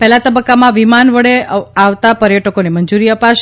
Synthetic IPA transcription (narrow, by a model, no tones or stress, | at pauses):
pɛɦlat̪əbəkːamãʋimanʋəɽeaʋt̪apəɾjəʈəkoneməɲd͡ʒuɾiəpaʃ